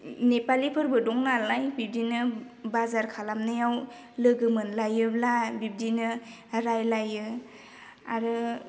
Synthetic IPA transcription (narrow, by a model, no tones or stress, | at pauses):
nepalipʰɯɾbɯdɔŋnalajbib̚dinɯ | bazaɾkʰalamnɯjaw | lɯɡɯmɯnlajɯlabib̚dinɯ | ɾajlajɯ | aɾɯ